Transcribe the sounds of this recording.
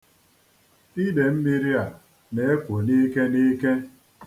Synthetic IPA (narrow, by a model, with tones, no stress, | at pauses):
i˦de˨m̩˦mi˦ɾi˦a˨ | ne˨e˦kʷo˨ni˦ke˦ni˦ke˦